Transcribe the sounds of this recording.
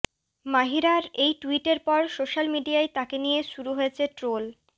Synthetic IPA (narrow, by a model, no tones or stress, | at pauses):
maɦiɾaɾejʈuiʈeɾpɔɾsoʃalmiɖiaet̪akenijeʃuɾuɦojet͡ɕʰeʈɾol